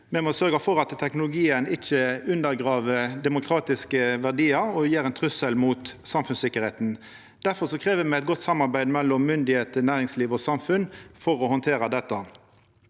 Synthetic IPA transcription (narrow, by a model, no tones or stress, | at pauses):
mɛmɔsœʁɡəfɔɾɑt̪t̪ʰːɛknʊlʊɡiːənɪçəʉnd̪əɾɡʁɑːʋəd̪ɛmʊkʰɾɑːt̪ɪskəʋæʁd̪iːəɾɔjeːʁɛnt̪ʰʁʉsəlmuːt̪sɑmfʉnsɪkːəɾheːt̪n̩ | d̪̥æɾfɔʂɔkʰʁeːʋəmɛɛɪt̪̚ɡɔt̪ːsɑmːɑɾbæɪd̪mɛlːɔmːʏnd̪ɪheːt̪ənæːɾɪŋsliːʋɔsɑmfʉnfɔɾɔhɔnt̪ʰeːɾəd̪ɛt̪ːɑ